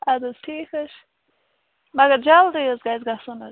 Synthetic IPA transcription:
adəz̥tʰiːxəʃ | maɡəd͡ʒaldiəzɡajzɡasʊnə

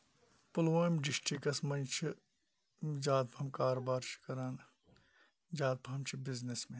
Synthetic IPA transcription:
pʊlʋaːmɖɪsʈikɐsmɐnt͡ʃʰi | d͡ʒaːd̪̚pʰɐɐmkaːɾobaːɾt͡ʃʰi̥kɐɾaːn | d͡ʒaːd̪̚pʰɐɦɐmt͡ʃʰibɪznesmẽ

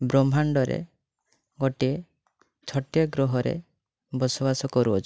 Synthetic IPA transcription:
bɾɔmbʱaɳɖɔɾḛ | ɡɔʈie | t͡ʃʰɔʈjɔɡɾɔɦɔɾḛ | bɔsɔbasɔkɔɾuɔt͡ʃʰ

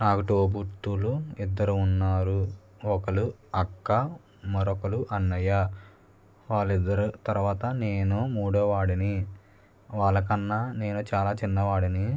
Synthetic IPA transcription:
naːkuʈoːbuɾt̪ːuluid̪ːɐɾuːnːaːɾu | ɔkɐɭuɐkːɐ | mɐɾɔkɐluʔɐnːɐja | ʋaːɭːid̪ːɐɾut̪ɐɾuʋaːt̪ɐneːnumuːɽoːʋaːɽini | ʋaːɭːɐk̬ɐnːɐne̞ːnut͡ʃaːlaːt͡ʃinːɐʋaːɽini

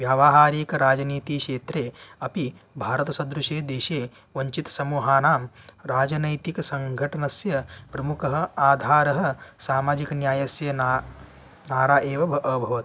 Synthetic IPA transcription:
ʋjaːʋaːɦaːɾiːkɐɾaːd͡ʒɐniːt̪iːkʂeːt̪ɾeːɐpibʱaːɾɐt̪ɐsɐd̪ɾuʃeːd̪eːʃeː | ʋɐɲt͡ʃit̪sɐmuːɦaːnaːmɾaːd͡ʒɐnɐjt̪ikɐsɐŋɡʱɐʈɐnɐsjɐpɾɐmukɐɦɐ̆aːd̪ʱaːɾɐɦɐ̆saːmaːd͡ʒikɐnjaːjɐsjɐ | naːɾaːʔeːʋɐbʱɐʔɐbʱɐʋɐt̪

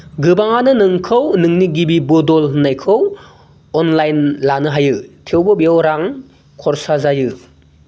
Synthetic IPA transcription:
ɡɯbaŋanɯnɯŋkʰɯwnɯŋniɡibibɔdɔlnajkʰɯw | ɔnlajnlanɯɦajɯtʰewbɯbiowɾaŋ | kʰɔɾsazajɯ

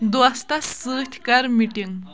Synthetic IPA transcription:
d̪uɐst̪ɐsɨːt̪ʲʰkɐɾmiʈiŋ

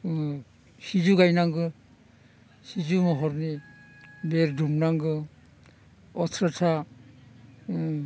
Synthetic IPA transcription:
sid͡ʒuɡajnaŋɡɯ | sid͡ʒumɔɦɔɾni | beɾdumnaŋɡɯ | ɔtʰɾatʰa

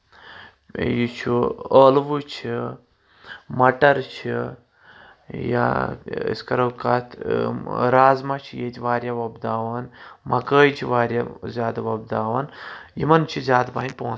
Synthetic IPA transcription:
jit͡ʃʰuəːlʋut͡ʃʰi | mɐʈɐɾt͡ʃʰi | ja̰ḭskɐɾɐwkɐt̪ʰ | ɾaːzmɐt͡ʃʰijeːt̪ʲʰiʋaːɾʲjaʋɐbd̪aːʋɐnmɐkəːjt͡ʃʰiʋaːɾʲjazʲjaːd̪aʋɐbd̪aːʋɐnjḭmɐnt͡ʃʰizʲaːd̪bɐɦinʲpoũn

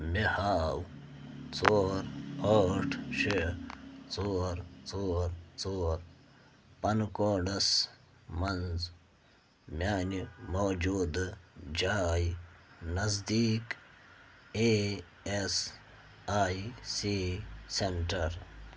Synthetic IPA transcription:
mihaːw | t͡soːɾoːʈʰʃet͡soːɾt͡soːɾt͡soːɾ | pɐnkoːɖɐs | mɐnz | mjaːnimowd͡ʒuːd̪d͡ʑaːjnɐzd̪iːk | e | es | aːjsisenʈɐɾ

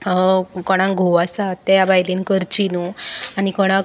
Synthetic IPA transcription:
kɔɽ̃ãŋɡʱoʋasat̪ːajabajlinkəɾt͡ɕinuanikɔɽ̃ã

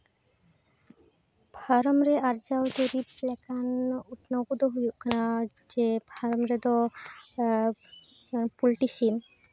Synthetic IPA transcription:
bʱaɾɔmɾeʔaɾd͡ʒawd̪oɾiplɛkanut̪noɡud̪oɦujuʔkʰna | d͡ʒebʱaɾɔmɾed̪ɔ | d͡ʒɔnpulʈisim

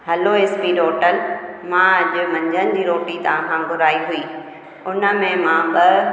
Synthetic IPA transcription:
ɦɐloeːspiɾoːʈəlmãɐd͡ʑʊmɐ̃ɲd͡ʑʱənɪ̆d͡ʑiːɾoːʈit̪ɐʋãkʰãɡʱʊɾaːiɦuiː | ʊnə̆mẽmãɓɐ

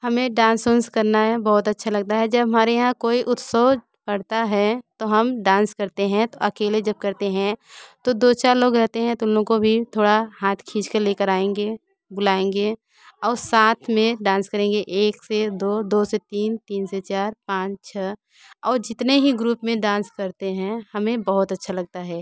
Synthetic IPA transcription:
hɐmẽɖãːnsonskɐɾnaɦɛbɐɦʊt̪ɐtːʃʰalɐɡ̚t̪aɦɛd͡ʒɐbɦɐmaːɾejɐɦãkoːiʔʊt̪səː | pɐɽt̪aɦɛt̪oɦɐmɖãːnskɐɾt̪eɦɛ̃t̪oʔɐkeːled͡ʒɐb̚kɐɾt̪eɦɛ̃t̪od̪oːt͡ʃaːɾloːɡɾɛɦt̪eɦɛ̃t̪oʊnɦõɡkobʱit̪ʰoːɽaɦaːt̪ʰkʰiːd͡ʒkəɾleːkəɾaːẽːŋɡe | bʊlaːẽːŋɡe | ɔːɾsaːt̪ʰmẽɖãːnskəɾẽːŋɡeʔeːksed̪oːd̪oːset̪iːnt̪iːnset͡ʃaːɾpãːt͡ʃt͡ʃʰɛ | ɔːɾd͡ʒɪt̪neɦiɡɾuːpmẽɖãːnskɐɾt̪eɦɛ̃hɐmẽbɐɦʊt̪ɐtːʃʰalɐɡ̚t̪aɦɛː

